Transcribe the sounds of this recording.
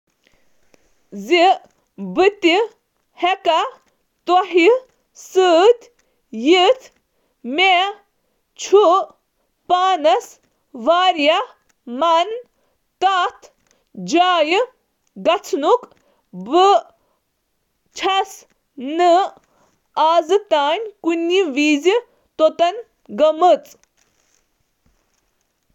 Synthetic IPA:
zi | bɨt̪i | hɛka | t̪ɔɦi | sɨt̪ | jit̪ʰ | me | t͡ʃʰu | paːnɐs | ʋaːɾja | mɐn | t̪at̪ʰ | d͡ʒaːjɨ | ɡɐt͡sʰnuk | bɨ | t͡ʃʰɐs | nɨ | aːzɨt̪aːnʲkunːiʋiːzi | t̪ot̪ɐn | ɡɐmɨt͡sʼ

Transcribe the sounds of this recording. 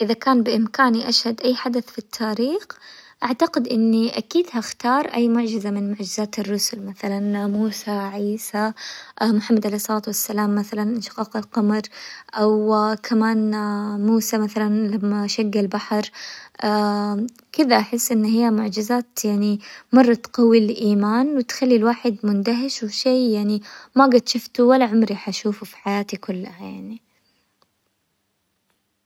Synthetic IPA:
ʔɪðakaːnbɪʔɪmkaːniʔaʃhad̪ʔajːħad̪aθfit̪ʰːaːɾiːxʔaʕt̪aqɪd̪ʔɪnːiʔakiːd̪haxt̪ɑːɾˤʔajːmʊʕd͡ʒɪzamɪnmʊʕd͡ʒɪzaːt̪ɪrːʊsʊlmaθalanmuːsaʕiːsaʔmʊħamːad̪ʕalejsˤɑlaːt̪wasːalaːmːaθalanʃqɑːqalqɑmɾˤʔawkʰamaːnmuːsamaθalanlamːaʃaɡːalbaħɾˤʔa | kɪd̪aʔaħɪsːʔɪnːɦɪjːamʊʕd͡ʒɪzaːt̪jaʕnimɑrˤːɑt̪qɑwːilʔiːmaːnwɪt̪xalːilwaːħɪd̪mʊnd̪aɦɪʃwɪʃeːjaʕnimaɡat̪ʃʊft̪uwalaʕʊmɾiħaʃuːfufi̥ħajaːt̪ikʊlːajaʕni

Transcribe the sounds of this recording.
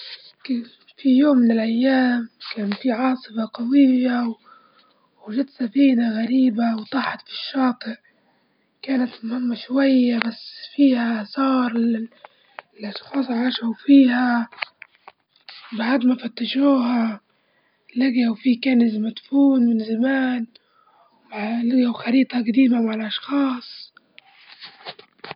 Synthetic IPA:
ka | fijoːmːɪnɪlʔajːaːmkaːnfiʕɑːsˤɨfɑqɑwijaw | ɪʒat̪safiːnaɣaɾiːbawt̪ˤɑħɑt̪fi̥ʃːɑːt̪ɨʕ | kaːnat̪mʊhɪmːaʃwajːabasːfiːhaʔsɑːɾˤɪ | lʔɑʃxɑːsˤʕaʃawfiːha | baʕd̪mafat̪ːaʒuːɦa | laɡawfiːkaːnɪzmat̪fuːnmɪnzamaːn | maʕlɪɡawxɑɾiːt̪ˤɑɡad̪iːmamaʕalʔɑʃxɑːsˤ

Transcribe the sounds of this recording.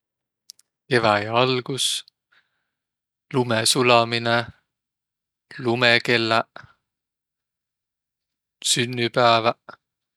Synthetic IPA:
evæjɑɑlɡ̥us | lumesulɑmine | lumeke̞lːæ | synːypæːvæ

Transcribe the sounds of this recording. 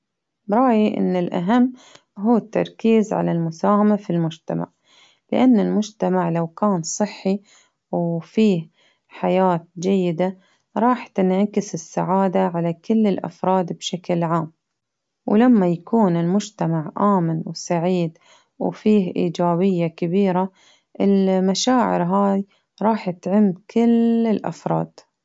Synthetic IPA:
bɾˤɑːjiʔɪ̰nːɪlʔa̰ɦamː | ɦuːt̪ːɑ̰ɾˤkiːzʕa̰lalmʊsaːhamafilmʊd͡ʒt̪ama̰ʕ | lɪ̰ʔanːɪlmʊd͡ʒt̪amaʕlawkaːnsˤɨħːi | wfiːh | ħajaːt̪̚d͡ʒajːɪd̪a | ɾˤɑːħt̪ɪnʕakɪsɪsːaʕaːd̪aʕalakɪlːɪlʔa̰fɾˤɑːd̪bʃaklʕaːm | wlamːajakuːnɪlmʊd͡ʒt̪amaʕʔaːmɪnwsaʕiːd̪ | wfiːhʔḭːd͡ʒaːbɪjːakabiːɾa | ʔɪlmaʃaːʕɪ̰ɾɦaːj | ɾˤɑːħɪt̪ʕɪmːkɪlɪlʔa̰fɾˤɑ̰ːd̪̥

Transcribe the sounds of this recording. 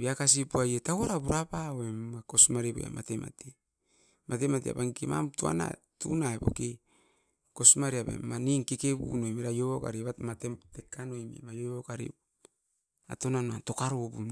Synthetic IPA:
biakas̬ipuajetawoɾabuɾapaoemakosmaɾibo̰ja̰matema̰te | mʔatematia̰paŋikema̰mtua̰na̰tṵnaebo̰ke | ko̞smaɾiaβḛmaniŋkekebṵnojmeɾajoβoka̰ɾiβamatetekːanojmḭmajoβokaɾḭ | a̰tonanoanto̞kaɾobun

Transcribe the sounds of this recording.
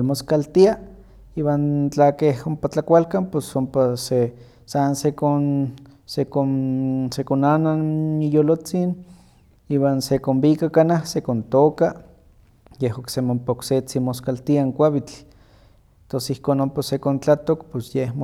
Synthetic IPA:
moskalt̪ia | iːwaːnt͡ɬakehompat͡ɬakʷalkamposompase | sansekonsekonsekonananijolot͡sin | iːwansekombikakanahsekont̪oːka | jeɦoksemoompaokset͡simoskalt̪iaŋkʷaβit͡ɬ̪ | t̪onsihkoːnompasekont͡ɬat̪okposjehmo

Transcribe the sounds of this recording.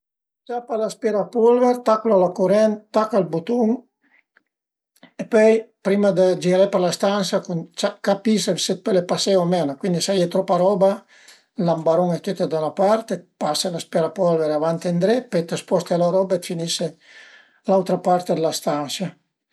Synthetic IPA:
t͡ʃapalaspɛɾapɔlvɛɾt̪akulalakuɾɛnt̪ːakːalbut̪uŋ | epɔjpɾimad̪əd͡ʒiɾɛpəɾlast̪ansakunt͡ʃakapisevset̪̚pɛlepaseamenakwind̪isajɛt̪ɾɔpːaɾɔba | lambaɾuŋɛt̪it̪ed̪anapaɾt̪epaselaspjɛɾapɔlveɾavant̪end̪ɾɛpɛt̪aspɔst̪alaɾɔbaet̪finiʃe | lawt̪ɾapaɾt̪ed̪elast̪ansa

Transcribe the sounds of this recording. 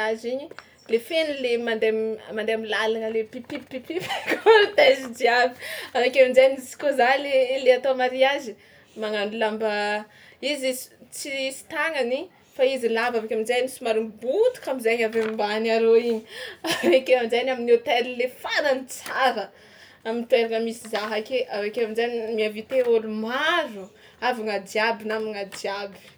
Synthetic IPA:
aziɲi | lefenilemand̪emmand̪eamilalanəlepipipipifkoɾt̪ɛzidiavi̥avakʲaminzaɲisi̥kozaleleat̪oamaɾiazi | maŋanulamba | izi̥t͡sisi̥t̪aŋani | faizilavavekʲaminzajnisumaɾimbut̪u̥kamizajɲavemmbanaɾoiɲiavekeamizajnaminot̪elilefananit͡saɾə | amint̪ueɾaŋəmisizaɦakeʔavekeaminzanimiavit̪eolumaɾu | avaŋad̪iabinamiŋad̪jabi̥

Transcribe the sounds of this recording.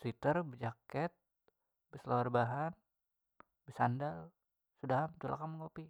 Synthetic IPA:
swit̪ərbəd͡ʒakɛt̪̚ | bəslawarbaɦan | bəsandal | sudaɦamt͡ʃula̰kaməŋopi

